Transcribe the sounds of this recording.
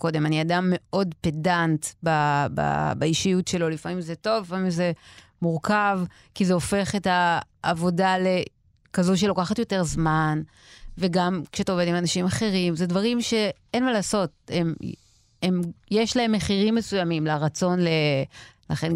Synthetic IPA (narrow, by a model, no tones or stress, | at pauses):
ko̞de̞maniadamːe̞o̞dpedantbaba̰baiʃijutʃe̞lo̞lifamimzeto̞vlifamimze | muʁkav | kizeo̞fe̞χetaː | vo̞dale̞ | kazuʃelo̞kaχatjo̞te̞ʁzman | veɡamkʃeataoved̪imanaʃimaχe̞ʁ̞imzedvaʁimʃe̞ | enmalaːso̞t̚em | emjeʃlae̞mːeχiʁimːesujamimlaʁat͡so̞nlelaχen